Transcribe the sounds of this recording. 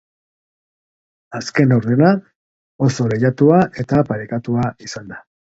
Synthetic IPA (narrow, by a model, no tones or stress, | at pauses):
aske̞nowɾðena | o̞so̞ɾejat̪uaʔe̞t̪apaɾekat̪uaisand̪a